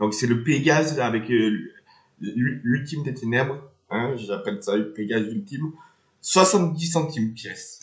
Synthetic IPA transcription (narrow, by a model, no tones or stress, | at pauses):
d̪ɔ̃ksɛləpeɡazavɛkl | lylylt̪imd̪et̪enɛbʁ | ɛ̃ʒʒapɛlsaləpeɡazylt̪im | swasɑ̃t̪̚d̪isɑ̃t̪impjɛs